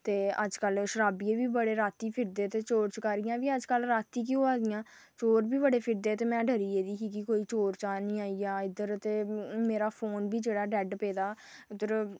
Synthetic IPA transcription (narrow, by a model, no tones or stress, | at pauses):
t̪eːə̰d͡ʒkəlʃəɾaːbiːeːbiːbəɽeːɾaːt̪iːpʰɪɾd̪eːt̪eːt͡ʃoːɾt͡ʃkəːɾɪjãːʋiːəd͡ʒkəlɾaːt̪iːk̬ioaːd̪ɪjãː | t͡ʃoːɾbiːbəɽeːpʰɪɾd̪eːt̪eːmɛ̃ːɖəɾiːeːd̪iːkiːkɪkoːiːt͡ʃoːɾt͡ʃaːnĩːaːiaːɪd̪əɾt̪eːmeːɾaːpʰoːnbiːd͡ʒeːɽaːɖɛːɖpeːd̪aː | d̪əɾ